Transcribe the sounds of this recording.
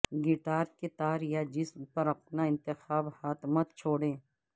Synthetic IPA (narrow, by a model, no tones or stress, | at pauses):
ɡɪʈaːɾket̪aːɾjad͡ʒɪsmpɐɾɐp̚naɪ̃nt̪ɪxaːbhaːt̪mət̪t͡ʃʰoːɽẽː